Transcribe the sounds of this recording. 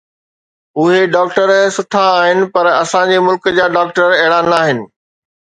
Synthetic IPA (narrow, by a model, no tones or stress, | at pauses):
ʊɦeɖaːk̚ʈəɾsʊʈʰaːɦɪnɪ̆pɐɾɐsãd͡ʑeːmʊlkd͡ʑaːɖaːk̚ʈəɾɛːɭaːnaːɦɪnɪ̆